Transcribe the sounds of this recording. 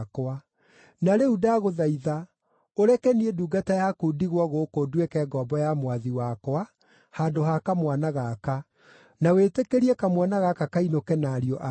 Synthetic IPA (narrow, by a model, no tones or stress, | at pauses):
koa | naɾeudaɣoðaiða | oɾɛkɛnieduːɡatajakudiɣwɔɣoːkoduekɛːɡɔːbɔjamwaðiwakoa | haːndoɦakamwanaɣaka | nawetekeɾiɛkamwanaɣakakainokɛnaɾiɔʔa